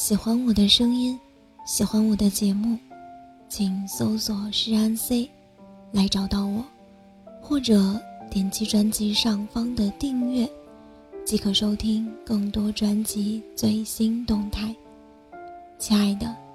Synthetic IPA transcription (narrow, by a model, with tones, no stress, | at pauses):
ɕi˨˩xwa˥nwɔ˨˩d̪ə˦ʂɤ˥ŋi˥n | ɕi˨˩xwa˥nwɔ˨˩d̪ə˦t͡ɕjɛ˧˥mu˥˩ | t͡ɕʰi˨˩ŋso˥ʊswɔ˨˩ʂɻ̩˥˧a˥nse˥˩ɪ | la˧˥ɪʈ͡ʂɑ˨˩ʊt̪ɑ˥˩ʊwɔ˨˩˦ | xwɔ˥˩ʈ͡ʂɤ˨˩˦t̪jɛ˨˩nt͡ɕʰi˧˥ʈ͡ʂwa˧˥nt͡ɕi˧˥ʂɑ˥˩ŋfɑ˥ŋd̪ə˨t̪i˥˧ŋɥɛ˥˩ | t͡ɕi˧˥kʰɤ˨˩ʂo˥ʊt̪ʰi˥ŋkɤ˥˩ŋt̪wɔ˥ʈ͡ʂwa˧˥nt͡ɕi˧˥t͡swe˥˩ɪɕi˥nt̪ʊ˥˧ŋt̪ʰa˥˩ɪ | t͡ɕʰi˧a˥˩ɪd̪ə˩